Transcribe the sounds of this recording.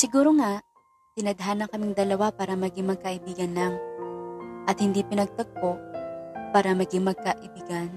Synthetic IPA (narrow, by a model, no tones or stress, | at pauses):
sɪɡuːɾoŋaʔ | t̪ɪnɐd̪ɦanɐkɐmɪŋd̪ɐlɐwapaːɾɐmɐɡɪŋmɐɡ̚kɐʔɪbiːɡɐnlɐŋ | ʔɐt̪hɪnd̪ipɪnɐɡ̚t̪ɐɡ̚po | paːɾɐmɐɡɪŋmɐɡ̚kɐʔɪbiːɡɐn